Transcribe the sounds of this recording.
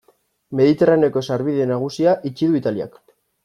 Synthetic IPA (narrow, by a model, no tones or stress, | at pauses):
me̞ðit̪e̞rane̞ko̞saɾβiðe̞naɣ̞usiaʔit͡ʃiðuit̪alia̰k